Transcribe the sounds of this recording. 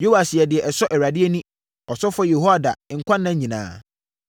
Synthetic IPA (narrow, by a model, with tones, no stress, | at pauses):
jo˦wa˨sɪ˨ɛ˨dɪ˨ɛ˨ʔɛ˨sɔ˦ʔɛ˨ɾa˨dɪ˦ɛ˦nũ˦ | ɔ˨sɔ˦fɔ˦je˨ɦo˦a˨da̰˨ŋ̩˨kʷʰã˦nːã˦ɲĩ˨nã̰ː˨˦